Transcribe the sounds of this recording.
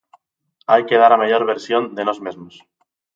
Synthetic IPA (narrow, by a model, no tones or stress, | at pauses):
ajke̞ðaɾamaʎo̞ɾβe̞ɾsjond̪eno̞zmezmos